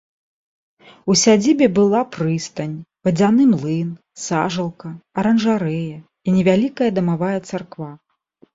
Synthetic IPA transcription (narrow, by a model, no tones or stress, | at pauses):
usʲad͡zʲibʲɛbɨlˠapɾɨst̪ɐnʲvɐd͡zʲanɨmlˠɨn | saʐɐlˠkɐɐɾɐnʐaɾɛjɐ | inʲɛvʲalʲikɐjɐd̪ɐmavajɛt̪sarkva